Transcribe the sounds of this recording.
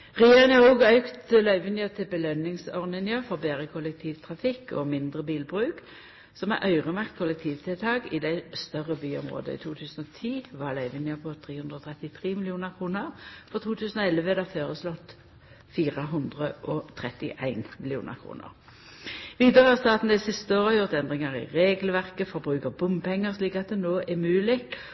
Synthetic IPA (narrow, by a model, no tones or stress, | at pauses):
ʁɛjeːʁəŋɑʁuːɡœʉkt̪lœʏʋɪnjət̪ʰɪbəlœnɪŋsɔʁnɪnjɑfɔʁbeːʁəkʰʊlɛk̚t̪ʰiːʋt̪ʰʁɑfɪkːɔ̰mɪnd̪ʁəbiːlbʁʉːk | sɔmæ̰ʁʔœʏʁəmɑkt̪kʰʊlɛk̚t̪ʰiːʋt̪ʰɪlt̪ʰɑːɡiːd̪æɪst̪œʁəbyːɔ̰mʁo̰ːd̪ə̰ḭːt̪ʰuːt̪ʰʉːsnɔt̪ʰiːʋɑʁlœʏʋɪnjəpʰɔt̪ʰʁeːhʉnd̪ʁɔːt̪ʰʁɛt̪ɪt̪ʰʁeːmɪlɪuːnəʁkʰʁuːnəʁfɔʁt̪ʰuːt̪ʰʉːsənɔɛlːʋəd̪ɑføːʁəslɔt̪ | fiːʁəɦʉnd̪ʁəʔɔt̪ʰʁɛt̪ɪ̰ʔæɪnmɪlɪuːnʔə̰ʁkʰʁṵːnə̰ʁ | ʋiːd̪əʁəhɑʁst̪ɑːt̪n̩d̪æɪsɪst̪əoːʁəjʊʁt̪ɛnd̪ʁɪŋɑʁɪ̰ʁeːɡlʋæʁkəfɔʁbʁʉːkəʁbʊmpʰɛŋːəʁsliːkɑt̪̚d̪ɛnoːʔæmʉːlɪ